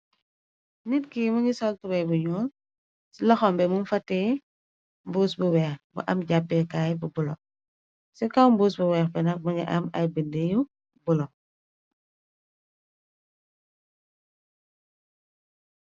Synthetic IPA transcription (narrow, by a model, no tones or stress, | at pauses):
nitkimuɲisɔltubɐjbuɲɔːl | slɐxɔmbɛmunfɐtːɛː | mbuːsbuwɛːxbṵʔɐmɟabːɛkaːjbubulɔ̰ | sɛkɐwmbuːsbuwɛːxbɛnɐk̚muɲiʔɐmɐ̰jbəndeju | bulɔ